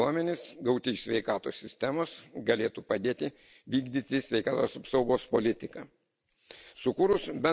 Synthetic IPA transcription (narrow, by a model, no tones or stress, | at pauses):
uɔmʲɛnʲɪsɡɐʊt̪ʲɪsʲʋʲɛɪkɑːt̪o̰ːsʲɪsʲt̪ʲæmoːsɡɐlʲeːt̪uːpɐd̪ʲeːt̪ʲɪ | ʋʲiːɡd̪ʲiːt̪ʲɪsʲʋʲɛɪkɑːt̪oːsɐpsɒʊɡoːspolʲɪt̪ʲɪkɑː | sʊkuːɾʊsbʲɛ